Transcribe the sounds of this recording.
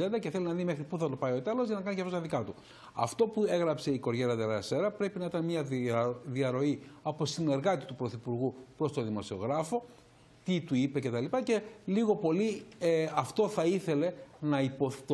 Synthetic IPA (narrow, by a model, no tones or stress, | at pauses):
end̪ɐceθe̞linɐðime̞xɾipuθɐt̪o̞pɐio̞t̪e̞lo̞zʝɐnɐkɐnicɐft̪ost̪ɐðikɐt̪u | ɐ̰ft̪o̞pue̞ɣɾɐpse̞iko̞ɾʝeɾɐt̪eɾɐɐse̞ɾɐpɾe̞pinɐit̪ɐnmɲɐðiɐɾo̞iɐpo̞sine̞ɾɣɐt̪it̪upɾo̞θipuɾɣupɾo̞st̪o̞ðimo̞sio̞̰ɣɾɐfo̞ | t̪it̪uipe̞ce̞t̪ɐlipɐce̞liɣo̞po̞lieɐft̪o̞θɐiθe̞le̞nɐipo